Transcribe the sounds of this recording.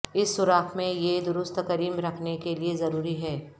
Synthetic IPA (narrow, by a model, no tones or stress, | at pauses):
ɪsːʊɾaːkmẽjed̪ʊɾʊst̪kɐɾiːmɾɐkʰnekeliezɐɾuːɾiɦɛː